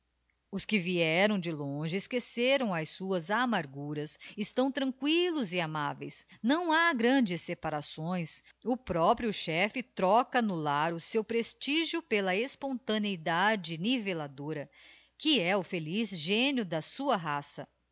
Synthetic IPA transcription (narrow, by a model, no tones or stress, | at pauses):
ʊskɪviɛɾɐ̃w̃d͡ʒɪlõʒɪeskeseɾɐ̃w̃ɐjsuɐzamaɾɡuɾɐsɪst̪ɐ̃w̃t̪ɾɐ̃ŋkwilʊzɪamavḛjsnɐ̃w̃aɡɾɐ̃d͡ʒɪsːepaɾasõj̃s | ʊpɾɔpɾiʊʃɛfɪt̪ɾɔkɐnʊlaɾʊsewpɾest͡ʃiʒjʊpelɐespõnt̪ɐneid̪ad͡ʒɪnivelad̪oɾɐ | kɪɛʊfelizʒẽnjʊd̪ɐsuɐɦasɐ